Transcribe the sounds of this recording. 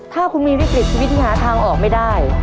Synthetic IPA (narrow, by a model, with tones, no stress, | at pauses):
t̪ʰaː˥˩kʰu˨˦nmiː˧ɾa˥˩pli˨˩t͡ɕʰiː˧wt̪̚ʰɦaː˨˦t̪ʰaː˧ŋʔɔː˨˩k̚ma˥˩jdaː˥˩j